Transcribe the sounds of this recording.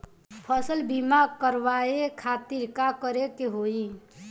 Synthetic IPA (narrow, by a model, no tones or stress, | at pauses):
pʰəsəlbʱimakəɾʋaekʰat̪iɾkakəɾekeɦoi